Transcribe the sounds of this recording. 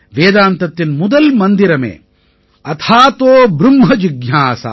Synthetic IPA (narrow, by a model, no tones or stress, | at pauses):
ʋeːd̪aːnt̪ɐt̪ːinmud̪ɐlmɐnd̪iɾɐmḛː | ɐt̪ʰaːt̪oːbɾumɦɐd͡ʒiɡjaːsa̰